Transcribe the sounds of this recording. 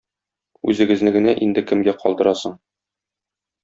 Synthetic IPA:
ʉzɘ̆ɡɘ̆znɘɡɘ̆næʔind̪ɘkɘ̆mɡæqɒlˠd̪ɤ̆ɾɑsɤɴ

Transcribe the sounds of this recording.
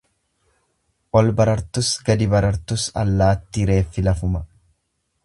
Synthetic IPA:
ʔɔlbɐɾɐɾt̪ʊsɡɐd̪ɪbɐɾɐɾt̪ʊsɐ̰lːaːt̪ːiɾe̞ːfːɪlɐfʊmɐ

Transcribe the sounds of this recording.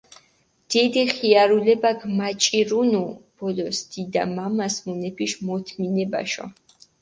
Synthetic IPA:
d̪̥id̪iχiaɾulɛbaɡmat͡ʃʼiɾunub̥ɔlɔsd̪̥id̪a̰mamasmunɛpʰiʃmɔt̪ʰminɛba̰ʃɔ̰

